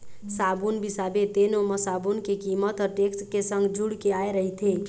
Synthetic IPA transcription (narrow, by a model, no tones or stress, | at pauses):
sabunbisabet̪enoməsabunkekimət̪ɔɾʈekskesə̃ŋɡd͡ʒuɽkeaeɾəɦit̪ʰe